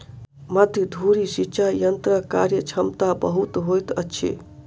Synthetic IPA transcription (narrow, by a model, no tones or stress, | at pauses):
məd̪ʱjəd̪ʱuɾisit͡ʃʰajənt̪ɾəka̰ɾjət͡ʃʰəmt̪abəɦut̪ɦojt̪əːt͡ʃʰḛ